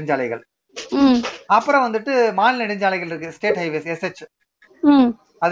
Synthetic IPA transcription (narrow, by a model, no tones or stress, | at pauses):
ɪɲd͡ʒaːlɐɪɣɐ̰ɭ | ɐpːɯɾɐ̃ʋɐnd̪ɯʈːɯmaːlnɪɽɪɲd͡ʒaːlɐɪɣɐɭɪɾɯk̬ːɯsʈeːʈhɐɪʋeːsɛsɛt͡ʃː | m | ɐð